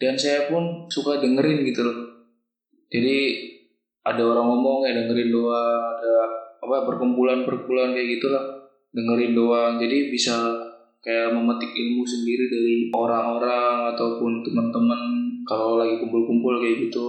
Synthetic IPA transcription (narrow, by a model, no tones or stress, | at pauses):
d̥ansajapʊnsukadəŋəɾɪnɡit̪ulah | d͡ʒadi | ʔadaoɾaŋomɔŋjadəŋəɾɪndoaŋadaːpajapərkəmpulanpərkəmpulankajaʔɡit̪ulah | dəŋəɾɪndoaŋd͡ʒadibisa | kajaməmət̪ɪkilmus̬əndiɾidaɾioɾaŋoɾaŋat̪awpʊnt̪əmənt̪əmənkalawlaɡikumpʊlkumpʊlkajaʔɡit̪u